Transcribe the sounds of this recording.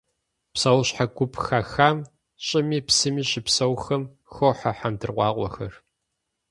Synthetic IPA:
psɐwɕħaɡʷʊpʰxaːxaːm | ɕʼɪmiːpsɨmiːɕɪpsɐwxɐm | xoħaħamdɨrqʷɑ̰ːqʷɔ̰xɐr

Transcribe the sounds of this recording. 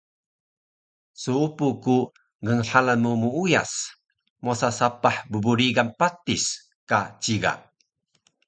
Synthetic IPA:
suupuku | ŋəŋħalanmumuuja̰s | mosasapaħbəbuɾiɡanpat̪is | kat͡ɕiɡa̰

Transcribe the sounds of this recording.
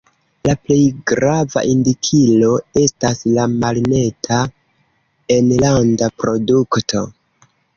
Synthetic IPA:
laple̞jɡɾava̰ʔindikʰilo̞e̞staslamalne̞tʰa | e̞nlandapɾo̞duktʰo̞

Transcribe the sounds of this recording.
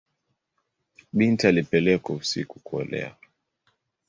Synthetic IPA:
ɓintialipɛlɛkausḭkukuɔ̰lɛ̰a̰

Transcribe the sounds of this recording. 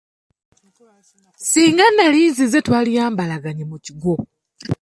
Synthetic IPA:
siːŋɡanːaliːzize̞twaːlijaːmbalaɡaɲemuciɡo̞

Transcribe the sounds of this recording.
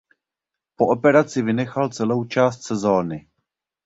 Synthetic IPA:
po̞ʔo̞pɛɾat͡sɪvɪnɛxalt͡sɛlo̞wt͡ʃaːst̪sɛzo̞ːnɪ

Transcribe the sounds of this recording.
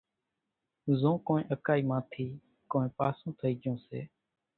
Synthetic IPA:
zõːkoːnẽːʔəkaːiːmãːt̪ʰiː | kõːẽːpaːsõːt̪ʰəiːɠjõːsḛː

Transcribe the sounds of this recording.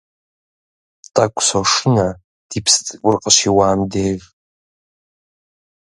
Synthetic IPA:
tʼakʷʰʼsoʂɨna | d̥ipʰst͡sʼʷʊrqʼəʃiwaːmdeːʒ

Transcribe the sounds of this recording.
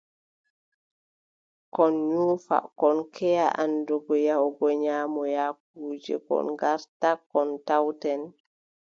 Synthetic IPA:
kɔnɲufa̰kɔnkʰɛjaʔandɔɡɔjawɡɔɲaːmɔjak̚uːd͡ʒɛ̰kɔ̰nɡaɾtakɔntawtɛn

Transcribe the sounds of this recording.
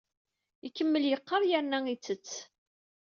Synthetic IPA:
ikːəmːəljəqːəɾˤjæɾnæit͡sːət͡sː

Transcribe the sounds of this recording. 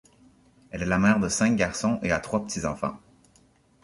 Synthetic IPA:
ɛlɛlamɛʁd̪əsɛ̃k̚ɡʲaʁsɔ̃ʔeat̪χwapə̥t̪ʰizɑ̰̃fɑ̰̃

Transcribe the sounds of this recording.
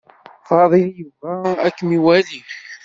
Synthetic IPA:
fɑðˤiljəvæækːmiwæli

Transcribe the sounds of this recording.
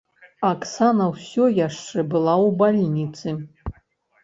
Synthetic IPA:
aksanɐwsʲɔjaʂt͡ʂɛbɨlˠawbalʲinʲit̪sɨ

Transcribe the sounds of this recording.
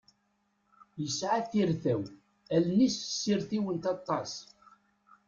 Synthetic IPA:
jəsʕaθiɾθæw | ælnisəsːiɾθiwənt̪ɑt̪ˤːɑs

